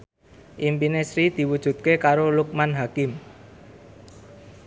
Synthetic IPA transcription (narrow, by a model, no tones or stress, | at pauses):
ʔimpinesɾid̪̥i̤wud̥ʒ̥ṳt̪̚kekaɾoluk̚manɦakɪm